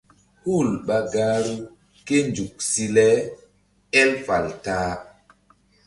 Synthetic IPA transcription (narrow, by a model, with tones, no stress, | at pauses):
hu˦˨lɓa˨ɡaː˦ɾu˦ | ke˦nd͡ʒu˨k̚si˦lɛ˦ | ɛ˦lfa˨ltaː˦